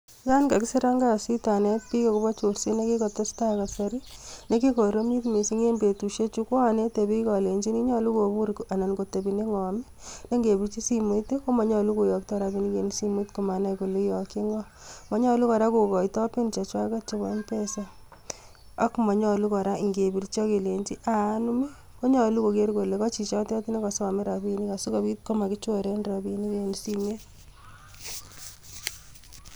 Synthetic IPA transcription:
ka˦nka˨kɪ˦sɪ˦ɾa˦ŋɡa˦si˦ta˨nɛ˦t̚pi˦kɔ˨ku˦bɔ˦t͡ʃo˨ɾsi˦ne˦ki˦kɔ˨to˦sta˦ka˨sa˨ɾi˦ne˦ki˦ko˨ɾo˦mi˦tmi˨si˦ŋe˦mbe˨tu˨ʃe˦t͡ʃu˦kɔ˦a˨ne˦te˨bi˦kɔ˨le˨ɲd͡ʒi˦ni˦ɲɔ˦lu˦ko˨bu˦ɾka˨na˨nɡo˨te˨bi˨ne˦ŋɔ˨mɪ | ne˦ŋɡe˨bi˨t͡ʃi˦si˦mu˦teko˦mɔ˨ɲɔ˨lu˦ko˨jɔ˨k̚tɔ˦ɾa˦bi˨˦ni˦ke˨nsi˦mu˦tku˨ma˨na˦jko˨lu˦jɔ˨ki˦ŋɔ˦ | mɔ˨˦ɲɔ˦lu˦kɔ˨ɾa˦ko˨kɔ˨i˨tɔ˦pe˦nt͡ʃa˨t͡ʃwa˦ka˦t͡ʃo˦bɔ˨˦npe˦sa | a˦kmɔ˨ɲɔ˦lu˦kɔ˨ɾa˦˨ŋɡe˨bi˨ɾt͡ʃɔ˦ke˨le˨nt͡ʃi˦ʔa˨˦nu˦me˦ | ko˦ɲɔ˨lu˦ko˨ke˦rko˨le˨kɔ˦t͡ʃi˨t͡ʃɔ˦tɔ˦ti˦ne˦kɔ˨sa˨mi˦ɾa˨bini˦ka˨su˦ka˨bi˦t̚ko˦ma˨kɪ˦t͡ʃɔ˦ɾe˦nɾa˨bi˨ni˦ke˨nsi˦me˦t

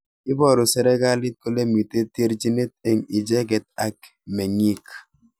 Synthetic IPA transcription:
ɪ˦bɔ˦˨ɾo˨sɛ˨ɾɛ˦ɡa˦lɪ˦t̚ko˦le˦mi˨te˦te˦ɾd͡ʒi˦ne˦t̪̚e˨ŋi˨d͡ʒɛ˦ɡɛ˨t̪̚a˨k | me˨ŋi˦k

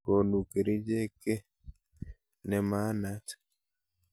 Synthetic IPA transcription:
ko˨nu˨ke˨ɾi˦d͡ʒe˦ke˦ | nɛ˨ma˦na˦t

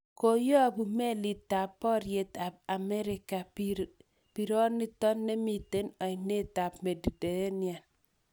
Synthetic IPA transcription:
ko˨jɔ˦˨bu˨me˦li˨ta˨pːɔ˦ɾje˨t̪a˨ba˨mɛ˦ɾɪ˨ka˨p | pi˨ɾɔ˦nːi˦t̪ɔ˦nːɛ˦mi˨te˦nɔ˨ɪ˨ne˦t̪a˨pme˨du˨de˨je˦nja˨n

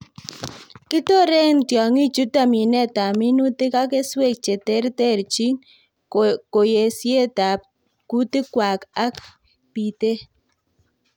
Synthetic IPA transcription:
kɪ˦to˦ɾe˦ŋtjɔ˨ŋi˦t͡ʃu˦ta˦˨mi˨nɛ˦ta˨mɪ˦nu˦tɪ˦ka˦ke˦swe˦˨k̚t͡ʃe˨tɛ˦ɾtɛ˦˨ɾt͡ʃi˦ŋ | ko˨je˨sje˦ta˨ | ku˦tɪ˦kwa˨ka˦k | pi˨te˦

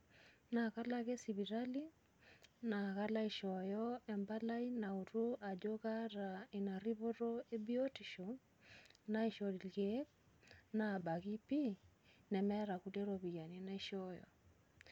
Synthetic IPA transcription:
na˨ka˦laɣɛ˦si˨βi˨ɾali˦ | na˨ɣa˦la˦i˨ʃɔjɔɛ˨mba˦la˦i˦na˨u˨ɾu˦a˨d͡ʒoɣa˦ɾa˨i˨na˨ɾi˦βo˦ɾɔe˦bi˦ɔtiʃɔ˨ | na˦i˨ʃɔ˨li˨lɡɛ˦ | na˨ba˨ɣi˦pi˦nɛ˨mɛ˦ɾa˨kudɛ˦ɾɔβi˨ja˨ni˨na˦i˦ʃɔjɔ̰˨

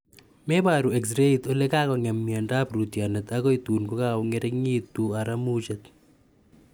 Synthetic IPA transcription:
mɛ˦ba˨ɾu˨ɛ˨ksɾe˦it̪ɔ˦lɛ˦ka˦kɔ˨ŋa˨mːi˨a˨nda˦bruti˨a˨nɛ˨t̪a˦kɔ˦i˦t̪u˨nko˦ka˦ɔ˨ŋɛ˦ɾɛ˦ŋi˦t̪u˨a˨ɾa˦mut͡ʃɛt̪

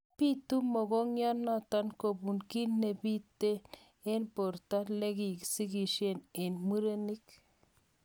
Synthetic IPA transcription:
pi˦t̪u˦mo˨ɡo˦ŋja˦nːa˦t̪a˦nko˨bu˨nki˦nːe˨bi˦t̪e˦ | e˦npo˨ɾt̪a˦le˦ɡi˨ksi˦ɡi˨ʃe˦ne˨nmɨ˦ɾe˦ni˦k

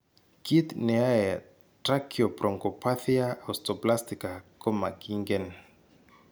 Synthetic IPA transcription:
ki˦t̪ne˨a˦e | tɾa˦kʰiopɾo˨ŋkopʰaθi˦a˦ostopla˦st̪ika˨ko˦ma˨ki˦ŋɡen

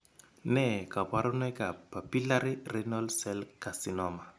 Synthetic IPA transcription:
nɛ˦˨ka˨ba˦ɾʊ˦nɛ˦ka˨pa˨pi˦la˦ɾi˦rɛ˦nɔ˦lsɛ˦lka˨si˨nɔ˦ma˨

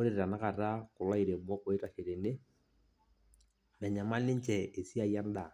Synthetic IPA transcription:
o˦ɾe˨ɾɾa˨na˦ka˨ta˦kʊ˨la˦i˨ɾe˨m˦ɔ˦ko˨ɪ˦ta˨ke˨ɾe˨ne˦ | mɛ˨ɲa˨ma˦nɪ˦ɲt͡ʃɛ˨e˨si˦a˨ja˦n˦da˨

